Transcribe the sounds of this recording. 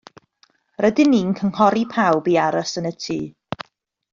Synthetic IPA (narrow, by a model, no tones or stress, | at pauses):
rədɪnːiːnkʰəŋhɔɾipʰawbiaɾəsənətʰiː